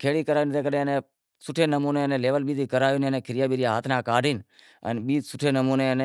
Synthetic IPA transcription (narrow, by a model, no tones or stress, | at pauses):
kʰeːɽiːkəɾaːint̪eːkəɗẽːənẽː | sʊʈʰeːnəmuːneːnẽːleːʋəlɓiːt̪iːkəɾaːiːnənẽːkʰɪɾɪjaːɓiːɾɪjaːɦa̰ːt̪ʰnãːkaːɖʱiːn | ə̰nɓiːsʊʈʰeːnəmuːneːəneː